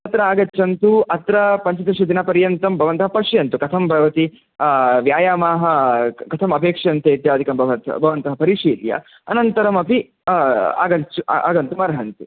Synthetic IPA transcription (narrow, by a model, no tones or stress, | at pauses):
ɐt̪ɾɐaːɡɐːt͡ʃːɐnt̪uɐt̪ɾɐpɐɲt͡ʃɐt̪ɐʂid̪inɐpɐɾjɐnt̪ɐmbʱɐʋɐnt̪ɐɦɐpɐʂjɐnt̪ukɐt̪ʰɐmbʱɐʋɐt̪i | ʋjaːjaːmaːɦɐ̆kɐt̪ʰɐmɐpeːkʂjɐnt̪eit̪jaːd̪ʱikɐmbʱɐʋɐt̪bʱɐʋɐnt̪ɐɦɐpɐɾiʂiːljɐ̰ | ɐnɐnt̪ɐɾɐmɐpi | a̰ːɡɐnt͡ʃṵa̰ːɡɐnt̪umɐɾɐɦɐnt̪u